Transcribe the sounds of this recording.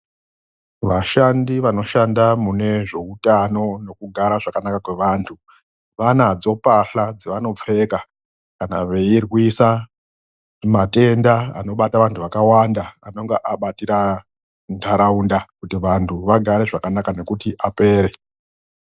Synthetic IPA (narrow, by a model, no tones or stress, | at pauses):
ʋaʃandiʋano̞ʃandamune̞ʐe̞utano̞no̞kuɡʱaɾaʐakanakakwe̞ʋaːntʰu | ʋanad͡zo̞paɬad͡ziʋano̞p͡fe̞ka | kana̰ʋe̞irwisa | mate̞ndaa̰no̞ɓataʋantʰuʋakawandaano̞ŋɡeʔaɓatiɾa | ntʰaɾaundakutiʋantʰuʋaɡʱaɾe̞ʐakanakane̞kutiʔape̞ːɾe̞